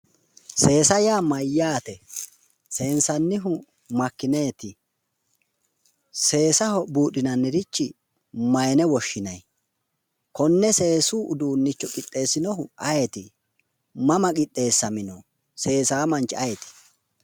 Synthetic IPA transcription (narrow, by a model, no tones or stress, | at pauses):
se̞ːsɐjaːmɐjːaːt̪ɛ | se̞ːnsɐnːɪɦʊ | mɐkːɪne̞ːt̪ɪ | se̞ːsɐhɔbuːɗɪnɐnːɪɾɪt͡ʃːɪ | mɐjɛnɛwɔʃːɪnɐj | kɔnːɛse̞ːsuːʔʊd̪uːnːɪt͡ʃːɔkʼɪt̪ʼːe̞ːsɪnɔɦʊɐjɛt̪ɪ | mɐmɐkʼɪt̪ʼːe̞ːsːɐmɪnɔ | se̞ːsaːmɐnt͡ʃːɪɐjɛt̪ɪ̥